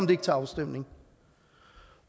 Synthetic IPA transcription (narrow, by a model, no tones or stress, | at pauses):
md̪eɪɡ̥̚t̪ʰɑsd̥em̰nɪŋ